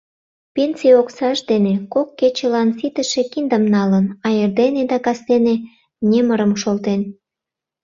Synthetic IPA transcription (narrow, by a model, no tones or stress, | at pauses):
pensioksɑʒd̪enekokːet͡ɕelɑnfit̪əʃe̽kind̪əmnɑlənɑjerd̪ened̪ɑkɑst̪ene | nʲeməɾəmʃolt̪en